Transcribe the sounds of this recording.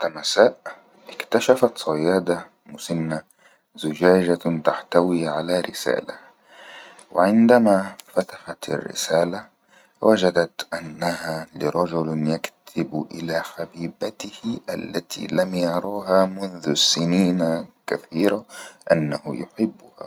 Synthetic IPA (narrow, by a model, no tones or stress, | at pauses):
t̪amasaːʔ | ʔɪkt̪aʃafat̪sˤɑjaːd̪a | mʊsɪnːa | zʊd͡ʒaːd͡ʒat̪aħt̪awiːʕalaːɾɪ̰sa̰ːla | wɪ̰ʕɪnd̪amafat̪ḁħat̪a̰rːɪ̰saːla | wʔad͡ʒad̪at̪ʔanːahalɪɾˤɑd͡ʒʊljakt̪ʰɪbʔɪlaːħabiːbat̪ɪhɪʔalːat̪ʰḭːlamjɑɾˤɑːɦaːmʊnðʊsːɪniːnakaθiːɾaʔanːahʊjʊħɪbːʊha̰ː